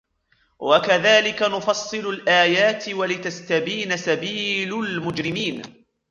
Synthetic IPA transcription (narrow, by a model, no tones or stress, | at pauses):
wakaðaːlɪkanʊfɑsˤːɨlʊlʔaːjaːt̪walɪt̪ast̪abiːnasabiːlʊlmʊd͡ʒɾɪmiːn